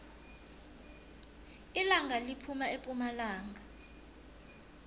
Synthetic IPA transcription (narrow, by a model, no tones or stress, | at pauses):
ilaŋʱalipʰumaepʼumalaːŋɡa